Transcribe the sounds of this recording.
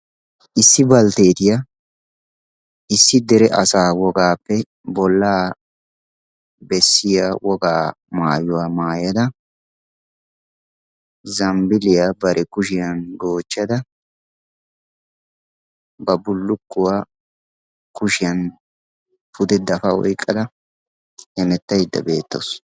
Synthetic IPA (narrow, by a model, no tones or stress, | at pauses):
ʔɪsːɪbɐlt̪e̞ːt̪ɪja | ɪsːɪd̪ɛɾɛʔɐsaːwɔɡaːpːɛ | bɔlːaː | bɛsːɪjawɔɡaː | maːjʊwaːmaːjɐd̪ɐ | zɐmbɪlɪjabɐɾʔɛkʊʃɪjɐnɡoːt͡ʃːɐd̪ɐ | bɐbʊlːʊkːʊwaː | kʊʃɪjɐn | pʊd̪ɛd̪ɐfɐɔ̰jkʼːɐd̪ɐ | hɛmɛt̪ːɐjd̪ːɐ̰beːt̪ːo̰s